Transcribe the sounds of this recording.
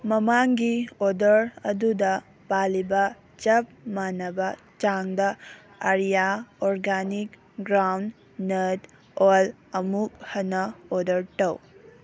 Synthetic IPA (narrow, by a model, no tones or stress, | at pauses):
mɐmaŋɡiodɐɾɐdudɐ | palibɐ | t͡ʃɐp̚manɐbɐ | t͡ʃaŋdɐ | ɐɾijaoɾɡanik | ɡɾawnː | ɐt | ol | ɐmuk̚hɐnɐodɐɾtɐw